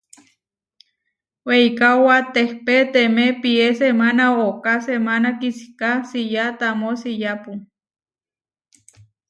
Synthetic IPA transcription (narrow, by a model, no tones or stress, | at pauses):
weikawat̪ehpet̪emepiesemanaokasemanakisi̥kasijat̪amosijapu